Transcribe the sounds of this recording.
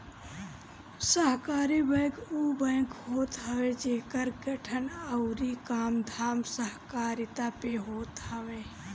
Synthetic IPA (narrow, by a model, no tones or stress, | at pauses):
səɦkaːɾibə̃ːkuːbə̃ːkɦoːt̪ɦɐʋed͡ʒeːkəɾɡɐʈʰənəʊɾikaːmd̪ʱaːmsəɦkaːɾɪt̪apeɦoːt̪hɐʋeː